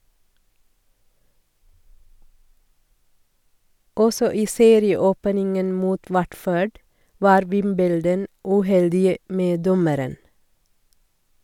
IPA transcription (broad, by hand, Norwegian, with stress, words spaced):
ˈɔsɔ ˈiː ˈseːɾɪəˌoːpnɪŋən ˈmuːt ˈwæʈføːɖ ˈʋɑːɾ ˈʋɪmbəldən ʉˈhɛldɪə ˈmeː ˈdɔməɾən